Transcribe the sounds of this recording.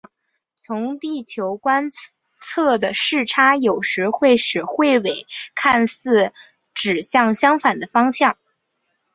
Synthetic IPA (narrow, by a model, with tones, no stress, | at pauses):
t͡sʰʊ˧˥ŋt̪i˥˩t͡ɕʰjo˧˥ʊkwa˥n | t͡sʰɤ˥˩d̪ə˩ʂɻ̩˥˩ʈ͡ʂʰa˥jo˨˩ʊʂɻ̩˧˥xwe˥˩ɪʂɻ̩˨˩xwe˥˩ɪwe˨˩˦ɪkʰa˥˧nsɹ̩˥˩ | ʈ͡ʂɻ̩˨˩ɕjɑ˥˩ŋɕjɑ˥ŋfa˨˩nd̪ə˦fɑ˥ŋɕjɑ˥˩ŋ